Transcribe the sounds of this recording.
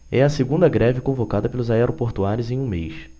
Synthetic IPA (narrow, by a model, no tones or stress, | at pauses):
ɛɐseɡũnd̪ɐɡɾɛvɪkõvokad̪ɐpelʊzaɛɾopoɾt̪uaɾʊzẽj̃ũmejs